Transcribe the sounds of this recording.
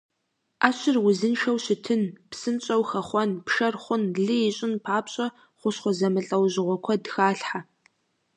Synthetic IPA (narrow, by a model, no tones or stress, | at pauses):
ʔaːɕɪrwʊzɨnʃɐwɕɪtʰɨnpsɨnt͡ʃʼɐwxɐχʷɔnpʰʃɐrχʷʊnɮɨjɪɕʼɪnpʰaːpɕʼɐ | χʷʊɕχʷɔzɐmɨɬʼɐwʑɪʁʷɔkʷʰɔdxaːɬħa